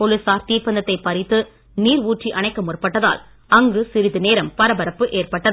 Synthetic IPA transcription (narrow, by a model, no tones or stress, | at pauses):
pɔlɯsaːɾt̪iːpːɐnd̪ɐt̪ːɐɪpːɐɾɪt̪ːɯ | niːɾuːʈriʔɐɳɐɪkːɐmʊrpɐʈːɐða̰ːl | ɐŋɡɯsɪɾɪðɯneːɾɐmpɐɾɐbɐɾɐpːɯʔeːrpɐʈːɐ